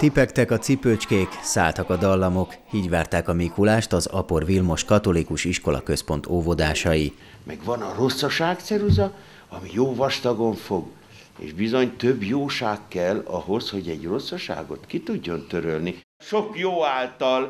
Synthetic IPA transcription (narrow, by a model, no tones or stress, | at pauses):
t̪ipɛkt̪ɛkɒt̪sipøt͡ʃkeːksa̰ːlt̪ɒkɒd̪ɒlːɒmo̞khiːɟʋaːrt̪aːkɒmiːkulaːʃt̪ɒzɒ̰po̞rvilmo̞ʃkɒt̪o̞likuʃiʃko̞lɒ̰kø̞spo̞n̪t̪oːvod̪aːʃɒji | mʔɛɡvɒnɒro̞sːɒʃaːkt̪sɛɾuzɒ | ɒmijoːvɒʃt̪ɒɡo̞ɱfo̞ɡ | ḛːʒbizo̞ɲt̪øbjoːʃaːkːɛlːɒ̰ɦo̞sho̞ɟɛɟro̞sːɒʃa̰ːɡo̞t̪kit̪uɟːo̞nt̪øɾølni | ʃokjoːaːlt̪ɒl